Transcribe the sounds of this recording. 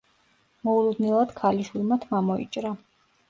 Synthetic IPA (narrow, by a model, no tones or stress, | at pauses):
mɔulˠud̪nɛlˠad̪̥kʰaliʃwilˠmat̪ʰmamɔḭt͡ʃʼɾa